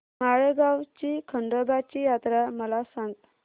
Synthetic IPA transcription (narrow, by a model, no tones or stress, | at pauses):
maɭeɡawt͡ɕikʰəɳɖəbat͡ɕijat̪ɾaməlasãŋɡt̪